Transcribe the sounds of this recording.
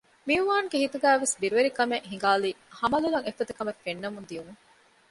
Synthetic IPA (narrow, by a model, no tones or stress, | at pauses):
miuʋaːŋɡehit̪uɡæːʋesbiɾuʋeɾikɐmeʔɦiŋɡaːlihɐmɐlulɐŋefːɐt̪ɐkɐmɐfenːɐmund̪iunuŋ